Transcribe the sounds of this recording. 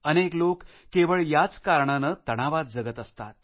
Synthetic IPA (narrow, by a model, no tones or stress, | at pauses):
əneklokː | eʋəɭjat͡skaɾɳanət̪əɽ̃aʋat̪̚d͡zəɡət̪əst̪a̰t̪̚